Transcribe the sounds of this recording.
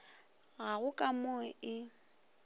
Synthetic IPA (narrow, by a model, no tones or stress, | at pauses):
ɣaɣʊkʼamɔɛɪ